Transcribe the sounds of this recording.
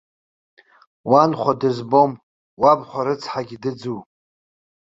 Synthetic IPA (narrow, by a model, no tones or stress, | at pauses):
wanχʷadɨzbo̞m | wabχʷaɾɨt͡sʰħaɡʲidɨd͡zu